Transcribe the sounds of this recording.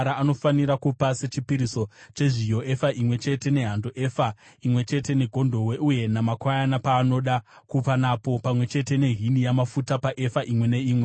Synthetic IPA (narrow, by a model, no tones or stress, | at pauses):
ɾaːno̞faniɾakupase̞t͡ʃipiɾiso̞t͡ʃe̞ʐijoʔefaʔimwe̞t͡ʃe̞te̞ne̞ɦandoʔefa | imwe̞t͡ʃe̞te̞ne̞ɡʱo̞ndʱo̞we̞ʔuje̞namakwajanapaːno̞ɗa | kupanapo̞pamwe̞t͡ʃe̞te̞ne̞ɦinijamafutapaʔe̞faʔimwe̞ne̞iːmwe